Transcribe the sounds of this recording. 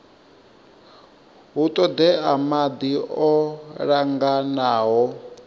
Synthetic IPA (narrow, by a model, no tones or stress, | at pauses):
ɦut̪ʼɔd̪ɛamad̪iɔɺaŋɡanaːɦɔ